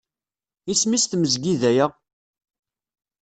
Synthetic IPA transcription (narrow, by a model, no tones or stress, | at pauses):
ismist̪məzɡiðæjə